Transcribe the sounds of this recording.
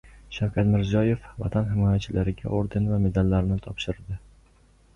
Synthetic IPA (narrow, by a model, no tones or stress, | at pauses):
ʃawkʲʰat̪mɪɾzjɒje̞fva̰t̪ʰanɦɪmɒjat͡ʃʰɪlʔaɾɪɡʲa̰ʔoɾd̪envame̞d̪alːaɾnɪt̪ʰɒpʃɪɾd̪ɪ